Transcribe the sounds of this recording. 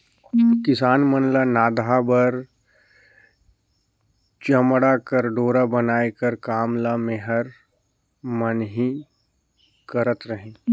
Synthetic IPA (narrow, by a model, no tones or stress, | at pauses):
kɪsaːnmənlanaːd̪ʱabəɾ | t͡ʃɐmɽakəɾɖoːɾabɐnaːekəɾkaːmlameɦəɾ | mənɦi | kəɾət̪ɾəɦẽː